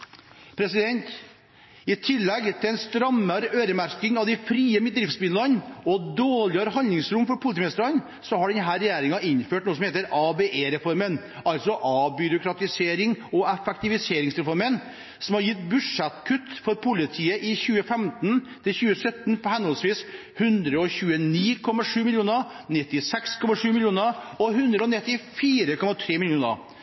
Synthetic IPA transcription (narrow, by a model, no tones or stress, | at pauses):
pʰɾɛsɪd̪ɛnt̪ | ɪt̪ʰɪlːɛɡt̪ʰɪlɛɪnst̪ɾɑmːəɾøːɾəmæɾkɪŋɑʋd̪ɛɪfɾiːəmɪt̪̚d̪ɾɪft̪sbɪnlənɔd̪oːɭɪəɾəɦɑnlɪŋsɾʊmfɔɾpʰʊlɪt̪iːmɪst̪əɾən | sɔhɑɖɛnɦæːɾɛjeːɾɪŋɑɪnføːʈnuːsɔmeːt̪əɾɑbeːʔeːɾɛfɔɾmən | ɑlsɔʔɑbʏɾʊkʰɾɑt̪ɪseːɾɪŋɔɛfɛk̚t̪ɪʋɪseːɾɪŋsɾɛfɔɾmən | sɔmhɑɾjɪt̪ːbʉʂɛt̪kʰʉt̪ːfɔɾpʰʊlɪt̪ʰiːəʔɪçʉːəfɛmt̪n | t̪ʰɪlçʉːəsœt̪ːnpʰɔhɛnɔlsʋiːs | hʉnd̪ɾəɔçʉːəniːkʰɔmːɑʂʉːmɪljuːnəɾ | nɪt̪ːɪsɛkskʰɔmɑʂʉːmɪljuːnəɾɔɦʉnd̪ɾəɔnɪt̪ːɪfiːɾəkʰɔmɑt̪ʰɾeːmɪljuːnə̰ɾ